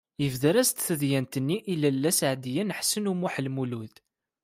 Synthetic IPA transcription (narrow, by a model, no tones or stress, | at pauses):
əvðəɾæst̪θəðjænt̪ənːiʔilælːæsʕd̪jænħsənumʊħlmuluð